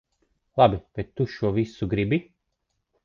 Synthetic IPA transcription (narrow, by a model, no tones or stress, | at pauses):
lˠabʲibɛt̪ːuʃuɔvisuɡɾibi